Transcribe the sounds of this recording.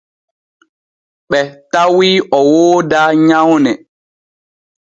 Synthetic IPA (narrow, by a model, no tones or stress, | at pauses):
ɓɛtawiʔɔwoːdaɲawnɛ